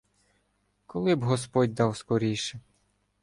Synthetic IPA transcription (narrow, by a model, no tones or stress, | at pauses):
kɔlˠɪbɦɔspɔdʲd̪ɑwskɔɾʲijʃɛ